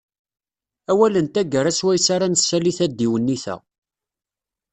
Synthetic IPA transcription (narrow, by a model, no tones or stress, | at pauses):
æwælənt̪æɡəɾæswæjsaɾanəsːæliθæd̪ːiwənːiθæ̰